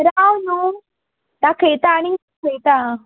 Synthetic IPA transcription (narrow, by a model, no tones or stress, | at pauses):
ɾawnu | t̪akʰet̪aniŋ | kʰet̪a